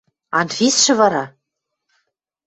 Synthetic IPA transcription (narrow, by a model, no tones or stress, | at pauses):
ɑnfʲisʃɘ̆vɑɾɑ